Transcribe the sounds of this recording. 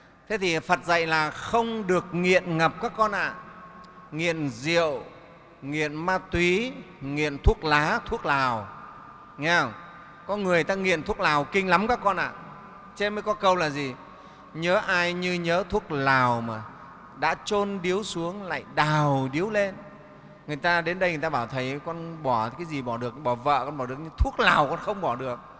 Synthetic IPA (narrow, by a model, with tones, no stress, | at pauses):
t̪ʰe˨˦t̪ʰi˨˩fə˨˩t̚zə̰˧˨jlaː˨˩xə˧wŋ͡mɗɨ˨˩ək̚ŋḭ˧˨ənŋə˨˩p̚kaː˦˥kːɔ˧nʔa̰ː˧˨ | ŋḭ˧˨ənzḭ˧˨əw | ŋḭ˧˨ənmaː˧t̪wi˨˦ | ŋḭ˧˨ənt̪ʰu˦˥ək̚laː˨˦t̪ʰu˦˥ək̚laː˨˩w | ŋɛ˧w | kɔ˨˦ŋɨ˨˩əjt̪aː˧ŋḭ˧˨ənt̪ʰu˦˥ək̚laː˨˩wkï˧ŋ̟la˨˦mkaː˦˥kːɔ˧nʔa̰ː˧˨ | t͡ɕe˧məː˨˦jkɔ˨˦kə˧wlaː˨˩zi˨˩ | ɲəː˨˦ʔaː˧jɲɨ˧ɲəː˨˦t̪ʰu˦˥ək̚laː˨˩wmaː˨˩ | ɗa̰ː˧˥t͡ɕo˧nɗi˨˦əwsu˨˦əŋla̰ː˧˨jɗaː˨˩wɗi˨˦əwle˧n | ŋɨ˨˩əjt̪aː˧ɗe˨˦nɗə˧jŋ˨˩jt̪aː˧ɓaː˧˩wt̪ʰə˨˦jkɔ˧nɓɔ˧˩kaː˨˦jzi˨˩ɓɔ˧˩ɗɨ˨˩ək̚ɓɔ˧˩və̰ː˧˨kɔ˧nɓɔː˧˩ɗɨ˨˩ək̚ɲɨ˧t̪ʰu˦˥ək̚laː˨˩wkɔ˧nxə˧wŋ͡mɓɔ˧˩ɗɨ˨˩ək̚